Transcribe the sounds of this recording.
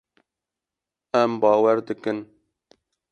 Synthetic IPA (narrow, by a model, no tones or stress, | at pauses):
ɛmbɑːwɛɾd̪ɨkɨn